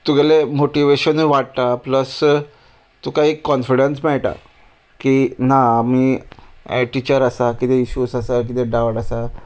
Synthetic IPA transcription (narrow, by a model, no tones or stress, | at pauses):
t̪uɡɛlemoʈiʋeɕəniʋaʈ̚t̪apləs | t̪ukaɦikːɔnfiɽənsmaɭʈa̰ | kinaːm̤iː | ʈit͡ɕəɾasakit̪ɛiɕusasak̬it̪ɛ̃ɖaʋʈasa